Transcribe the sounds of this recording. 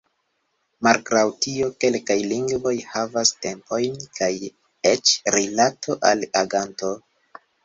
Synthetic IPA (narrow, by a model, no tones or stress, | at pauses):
malɡɾawtio̞ke̞lkajliŋɡvo̞jhavaste̞mpo̞jnkʰaj | et͡ʃɾilatʰo̞ʔa̰laɡanto̞